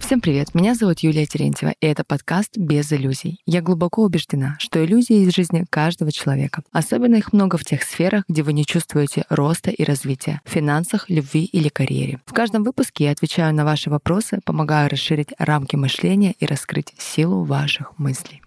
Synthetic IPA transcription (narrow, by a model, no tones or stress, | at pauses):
fsʲe̞mpɾʲɪvʲe̞t̪mʲɪnʲazɐvut̪julʲɪjətʲɪɾʲḛnʲtʲɪvə̰ʔɪɛt̪əpɐt̪kast̪bʲɪzɪlʲuzʲɪ̰jjaɡlˠʊbɐko̞ʊbʲɪʐdʲɪnaʂt̪o̞ɪlʲuzʲɪjəɪzʐɨzʲnʲɪkaʐd̪əvət͡ɕɪlˠɐvʲe̞̰kəɐso̞bʲɪnːəixmno̞ɡəftʲe̞xsfʲe̞ɾəɣɡdʲe̞vɨnʲɪt͡ɕust̪vʊjɪtʲɪro̞st̪əʔiɾʔɐzvʲitʲɪjə̰fʲɪnansɨxlʲʊbvʲiʔilʲɪkɐɾʲjḛɾʲɪ̰fkaʐd̪əmvɨpʊskʲɪjaɐt̪vʲɪt͡ɕæjʊnɐvaʂɨvɐpɾo̞sɨpəmɐɡajʊɾʔɐsʂɨɾʲitʲramkʲɪmɨʂlʲenʲɪjəʔiɾʔɐskɾɨtʲsʲilˠʊ̰vaʂɨxmɨsʲlʲɪj